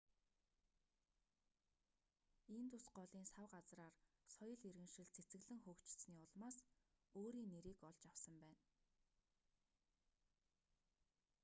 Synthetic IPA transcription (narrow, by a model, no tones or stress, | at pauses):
ent̪usɢɔɮiːnsawɢat͡sraːrsɔjɞ̆ɮerɣɘ̆ŋʃɘ̆ɮt͡sʰet͡sɘ̆ɣɮɘ̆ŋxuːkt͡ɕɪ̥̆ɮsniːʊɮmaːs | oːɾiːŋːeɾiːkɔɮt͡ɕawsə̆mpæːn